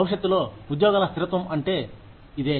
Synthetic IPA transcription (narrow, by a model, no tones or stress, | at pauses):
ɐwʂɐt̪ːulo̞ːud̪joːɡaːlɐst̪ʰiɾɐt̪ʋɐmɐɳʈe̞ː | id̪eː